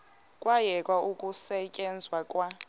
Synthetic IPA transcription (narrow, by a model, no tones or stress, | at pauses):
kʼwajɛkʼwaukʼusɛcʼɛnd͡zʱwakʼwa